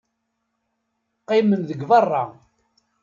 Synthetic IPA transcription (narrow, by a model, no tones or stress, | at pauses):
qːɪmənðəɡvɑrˤːɑ